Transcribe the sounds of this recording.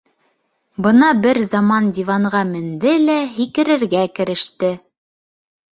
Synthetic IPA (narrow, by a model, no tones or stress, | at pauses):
bɤ̆nɑbɘɾzɑmɑndʲivɑɴʁɑmɘ̆nd̪ɘlæɦikɘ̆ɾɘ̆ɾɡækɘ̆ɾɘ̆ʃt̪ɘ